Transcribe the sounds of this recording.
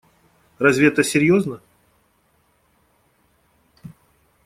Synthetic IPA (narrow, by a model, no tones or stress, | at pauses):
razʲvʲɪɛt̪əsʲɪɾʲjoznə